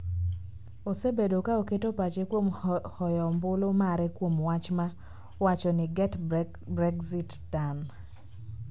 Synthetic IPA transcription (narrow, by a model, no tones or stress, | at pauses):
osebedokaoketopat͡ʃekwomhɔjɔmbʊlomaɾɛkwomwat͡ʃma | wat͡ʃɔnɪɡɛt | bɾɛɡzitːan